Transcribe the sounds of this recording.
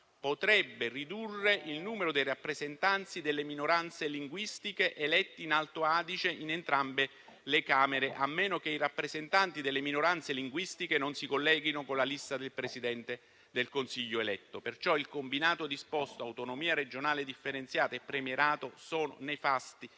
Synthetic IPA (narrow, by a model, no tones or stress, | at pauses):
pot̪ɾɛbːerid̪urːeʔilnuːmeɾod̪ejrapːɾezent̪ant̪sid̪elːeminoɾant̪seliŋɡwist̪ikeʔelɛt̪ːiːnalt̪oaːd̪it͡ʃeʔinent̪ɾambe | lekaːmeɾeʔamːeːnok̟eirapːɾezent̪ant̪id̪elːeminoɾant̪seliŋɡwist̪ikenonsikolːɛːɡinokonlalist̪ad̪elpɾesid̪ɛnt̪e | d̪elkonsiʎːoelɛt̪ːopert͡ʃɔilkombinaːt̪od̪ispɔst̪oawt̪onomiːaɾed͡ʒonaːled̪ifːeɾent̪sjaːt̪aepːɾemjeɾaːt̪osɔːno̰nefast̪i